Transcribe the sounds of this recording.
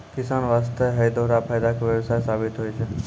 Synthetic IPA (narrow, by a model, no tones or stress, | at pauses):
kɪsanʋast̪ʰeɦəjd̪oɾapʰajd̪akʋjəʋsajesabit̪ɦojt͡ʃʰe